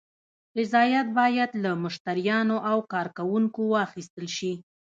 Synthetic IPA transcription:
ɾɪzɑjat̪̚bɑjad̪lamʊʃt̪aɾijɑnoʔawkɑɾkawuŋkowɑxist̪əlʃi

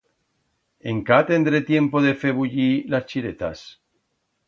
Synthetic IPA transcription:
eŋkat̪e̞nd̪ɾet̪je̞mpoðe̞feβuʎilast͡ʃiɾet̪a̰s

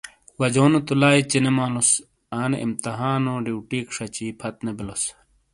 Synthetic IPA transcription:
xwɐd͡ʑoːnut̪ulaːit͡ɕinemaːlus | aːneḭmt̪ɐɦaːnoɖiwʈiːkʂɐt͡ɕiːpʰɐt̪̚nebilos

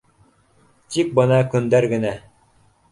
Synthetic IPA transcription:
t̪ik̚bɤnɑkɵ̆nd̪æɾɡɘ̆næ

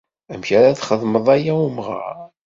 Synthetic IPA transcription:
æmçaɾaθχəðˤməðˤæjæumʁa̰ɾ

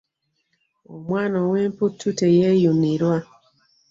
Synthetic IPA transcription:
omwaːnaweːmputʰːutejejuniɾwa

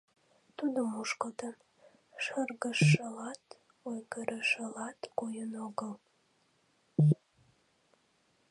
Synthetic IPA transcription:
t̪ud̪əmuʃkət̪ən | ʃərɣəʃːəlɑt̪ | ojɡəɾəʃəlɑt̪kujənoɡəl

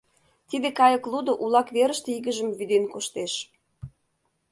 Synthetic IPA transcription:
t̪id̪ekɑjə̆klˠud̪oʔulɑkβeɾə̆ʃt̪eiɣə̆ʒəmβyd̪enkoʃt̪eʃ

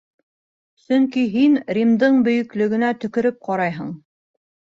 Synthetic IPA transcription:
sɵŋkiɦinɾʲimd̪ɤɴbɵ̆jɵ̆klɵ̆ɡɘ̆næt̪ɵ̆kɵ̆ɾɘp̚qɑɾɑjɦɤɴ

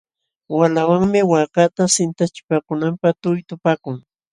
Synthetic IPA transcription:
walawaŋmɪwakat̪asɪnt̪at͡ʃɪ̥pakʊnampaχt̪ʊjt̪ʊpaːkʊŋ

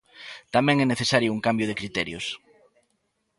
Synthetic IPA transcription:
t̪amɛ̃ŋɛneθesaɾjʊuŋkambjʊð̞ekɾit̪ɛɾjʊ̰s

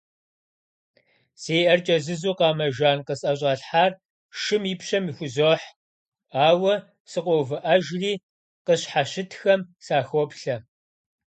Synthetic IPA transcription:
seːjʔɐrt͡ʃʼɐzɨzuːqɑːmɐʒaːnqəsʼɐɕ̬ʼɐɬħaːr | ʃɨmipɕɐmixʷʊzoːħ | aːwɐ | sɨqʷɔwvɨʔɐʒriː | qəɕħaɕɪtʰxɐmsaːxɔpɬɐ

